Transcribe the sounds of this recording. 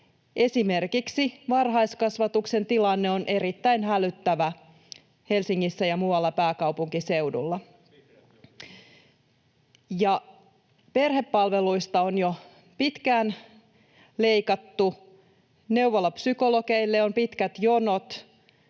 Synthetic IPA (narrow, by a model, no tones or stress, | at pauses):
ʔe̞sime̞rkiksiʋɑrɦɑiskɑsʋɑt̪uksent̪ilɑnːeonʔe̞ɾit̪ːæinɦælyt̪ːæʋæ | he̞lsiŋːisːæjɑmuɑlːɑpæːkɑwpuŋkise̞wdṵlːɑ | jɑ | pe̞rhe̞pːɑlʋeluist̪ɑonjo | pit̪kæːn | le̞ikɑt̪ːu | ne̞uʋolːɑpsyko̞lokeilːeompit̪kæt̪jonot̪